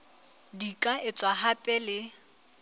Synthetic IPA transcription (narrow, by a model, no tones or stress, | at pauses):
dikʼaʔɪt͡sʼwaɦapʼɛlɪ